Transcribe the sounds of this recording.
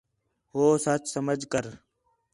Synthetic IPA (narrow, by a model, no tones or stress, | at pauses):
ɦoːsət͡ʃsəməd͡ʒkəɾ